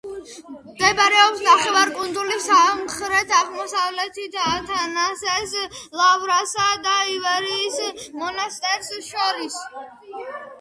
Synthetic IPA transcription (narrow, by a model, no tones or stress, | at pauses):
md̪ɛbaɾɛɔpsnaχɛvaɾkʼund̪zulisamχɾɛt̪ʰaʁmɔsavlɛt̪ʰit̪ʰat̪ʰanasɛslˠavɾasad̪aivɛɾiːsmɔnast̪ʼɛɾsʃɔɾis